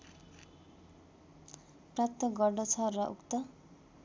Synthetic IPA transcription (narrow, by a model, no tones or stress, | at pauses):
prap̚t̪ʌɡʌrɖʌt͡sʰʌrʌʔukt̪ʌ